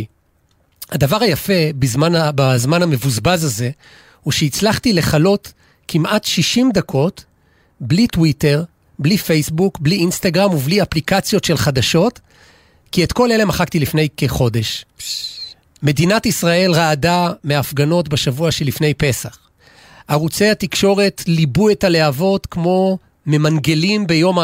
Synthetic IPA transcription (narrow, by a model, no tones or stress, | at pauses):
had̪avaʁajafe̞bizmanbazmaname̞vuzbazaze̞ | huʃeit͡slaχtile̞χalo̞t | kʰimʔatʃiʃimd̪akʰo̞t | blitwite̞ʁ | blife̞jsbukbliinst̪aɡʁamubliaplikat͡sjo̞tʃelχadaʃo̞t | kietko̞le̞le̞maχaktilifne̞jkeχo̞de̞ʃ | me̞dinatisʁae̞lʁaːdameafɡano̞tbaʃavuaʃe̞lifne̞jpe̞saχ | aʁut͡sejhatikʃo̞ʁe̞tlibuetaleavo̞tkmo̞ | me̞manɡe̞limbe̞jo̞ma